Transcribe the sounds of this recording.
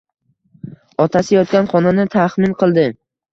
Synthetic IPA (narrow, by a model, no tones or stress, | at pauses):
ɒt̪ʰasɪjɒt̪̚kʲanχɒnanɪt̪ʰaχmɪnqʰɨlˠd̪ɪ